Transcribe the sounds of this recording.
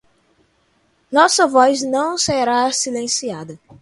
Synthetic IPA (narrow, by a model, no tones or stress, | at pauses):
nɔsɐvɔznɐ̃w̃seɾasilẽsiad̪ɐ